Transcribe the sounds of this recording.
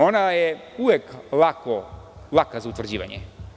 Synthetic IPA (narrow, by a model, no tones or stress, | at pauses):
onaɛuvɛklˠakɔlˠakazaut̪vrd͡ʑiʋa̰ɲɛ̰